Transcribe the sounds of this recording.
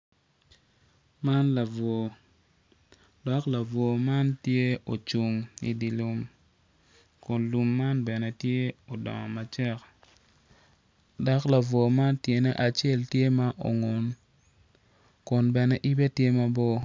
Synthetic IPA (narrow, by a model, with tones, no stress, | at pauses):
ma˦nla˨vo˨ | dɔ˨kla˨vo˨ma˦ntje˦o˨t͡ʃu˨ŋḭ˨di˨lu˨m | kʊ˨nlu˨mːa˦nbɛ˨nɛ˦tje˦o˨dɔ̰˨ŋɔ˨ma˨t͡ʃɛ˦k | dɔ˨kla˨vwo˨ma˦ntje˨nɛ˦ʔa˨t͡ʃe˦˨ltje˦ma˦ʔo̰˨ŋo˨n | kʊ˨nbɛ˨nɛ˦ʔi˦bɛ˦tje˦ma˦bɔ˦